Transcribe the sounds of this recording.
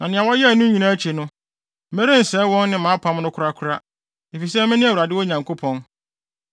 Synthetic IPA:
nã˨nɪ̃˨a˨wɔ˦jɛ˦˨nʊ̃˦ɲĩ˨nã˦t͡ɕʰe˨nʊ̃˦ | e˦ɾe˦n̩˨sɛ˨˦wɔ̃˦nːɪ̃˦mã˨˦pʰa˦m˦nʊ̃˦kʰʊ˦ɾa˦kʰʊ˦ɾa˦ | e˨fi˨s̬ɛ˦mɛ̃˦nɪ̃˦a˨wu˨ɾa˨dɪ˦wɔ˦ɲã˨ŋkʰo˦pʰɔ̃˦n

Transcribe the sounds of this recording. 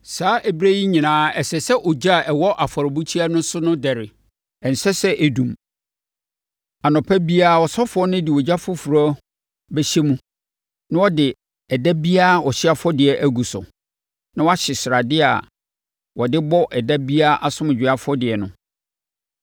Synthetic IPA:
saː˨˦ʔɛ˨bɾæ˦ji˦ɲĩ˨nãː˨˦ɛ˨sɛ˨sɛ˦ʔɔ˨d͡ʑa˦˨ʔɛ˨wɔ˦ʔa˨fɔ˨ɾɔ˨bu˦t͡ɕʰi˦a˦nʊ̃˦sʊ˦nʊ̃˦dɛ˨ɾɪ˨ | ɛ˨n̩˨sɛ˦sɛ˦ʔæ˨dũ˨m | a˨nɔ̃˨pʰæ˦bi˦a˦˨wɔ˨sɔ˦fʊ˨˦ɔ˦nʊ̃˦dɪ˨wɔ˨d͡ʑa˦fʊ˦fu˨ɾa˦ | bɛ˦ɕɛ˦mũ˦ | nã˦wɔ˦dɪ˨ | ɛ˨da˦bi˦a˦˨ɔ˨ɕɪ˦a˨fɔ˦dɪ˨ɛ˨ʔæ˦ɡu˨sʊ̰˨ | nã˦wa˦ɕɪ˨sɾa˨dɪ˦a̰˨ | wɔ˨dɪ˦bɔ˦ʔɛ˨da˦bi˦a˦ʔa˨sʊ̃˦m˨d͡ʑᶣɪ˨a˦fʊ˦ɔ˦dɪ˨ɛ˨nʊ̰̃˦

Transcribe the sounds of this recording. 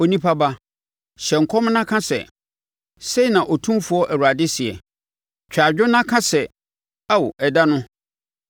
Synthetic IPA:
o˨nĩ˦pʰa˦ba˦ | ɕɛ˨ŋ̩˨kʰɔ˦m˦nã˦kʰã˦sɛ̰˨ | se˦i˨nã˨ʔɔ˨tʰũ˦mfu˦ɔ˦ʔæ˨wu˨ɾa˨dɪ˦sɪ˨ɛ̰˨ | t͡ɕᶣa˨d͡ʑᶣʊ˦nã˦kʰã˦sɛ˨ | a˦wʔɛ˨da˦nʊ̃˦

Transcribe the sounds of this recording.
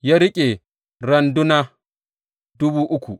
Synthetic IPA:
ja˦ɾi˦kʲʼɛ˨ | ɾa˨ndu˦na˦ | du˦bu˦ʔu˦kʰṵ˨

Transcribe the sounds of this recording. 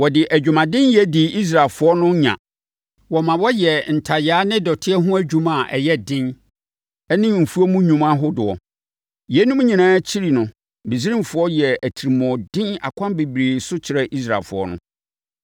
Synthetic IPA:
wɔ˨dɪ˨ʔæ˨d͡ʑᶣu˨mã˨dɪ̃˦njɛ˦dɪ˨i˦s̬ɾa˨lfʊ˦ɔ˦nʊ̃˦ɲã̰˨ | wɔ˨mã˨wɔ˦jɛ˨n̩˨tʰa˨jaː˦nɪ̃˦dɔ˨tʰɪ˦ɛ˦ɦʊ̃˦æ˦d͡ʑᶣũ˦mã˨ʔɛ˨jɛ˦dɪ̃˦n | ɛ˦nɪ̃˦m̩˨fu˦ɔ˦mũ˦ɲũ˨mã˦ɦʊ˦dʊ˨ɔ˨ | jɛ˦nũ˦m˦ɲĩ˨nãː˦t͡ɕʰi˦ɾi˨nʊ̃˨ | be˨si˦ɾĩ˦m˨fʊ˨ɔ˦jɛ˨æ˨tʰi˨ɾi˨mɔ̃˨dɪ̃˦na̰˨kʷʰã˦nbe˨bɾeː˨sʊ˦t͡ɕʰɪ˨ɾɛ˦ʔi˦sɾa˨lfʊ̰˨ɔ̰˦nʊ̰̃˦

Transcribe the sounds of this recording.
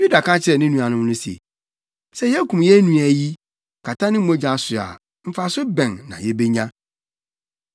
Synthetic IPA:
ju˦da˨kʰã˦t͡ɕʰɪ˨˦ɛ˨nɪ̃˦nũ˨a˨nʊ̃˦m˦nʊ̃˦si˨ḛ˨ | sɛ˦jɛ˦kũ˨mjɛ˦nũ˨æ˨ji˦ | kʰa˨tʰã˦nɪ̃˦m̩˦mõ˦d͡ʑã˨sʊ˨a̰˨ | m̩˨fa˨sʊ˦bɛ̃˨nːã̰˨jɛ˦be˦ɲã˦

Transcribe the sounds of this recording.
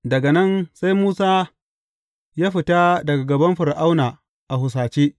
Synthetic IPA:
dɐ˨ɡa˨nɐ˦nsa˦jmuː˦saː˦ | jaː˦ɸɪ˨ta˦dɐ˨ɡa˨ɡɐ˨bɐ˦mɸʊ˨ɾʔa˦wnaː˨ | ʔa˨hʊ˨s̬aː˨t͡ʃeː˦ʔ

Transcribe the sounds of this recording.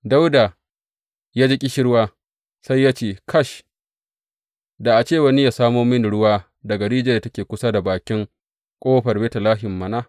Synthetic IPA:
da˦wda˨ | jaː˦d͡ʒɪ˦kʲʼɪ˦ʃɪ˦ɽwaː˦ | sa˦jːaː˦t͡ʃeː˦˨kʰɐ˦˨ʃ | da˨ʔa˨t͡ʃeː˦˨wɐ˦nɪ˦ja˨saː˦moː˦mɪ˦n˨ɽʊ˦waː˦ | dɐ˨ɡɐ˨ɽiː˦d͡ʒe˨da˨tɐ˦kʲeː˨kʷʊ˦sa˦da˨baː˨kʲɪ˦ŋ | kʷʼoː˦ɸɐ˨rbeː˦ta˨laː˦ɦɪ˨mːɐ˨na˦

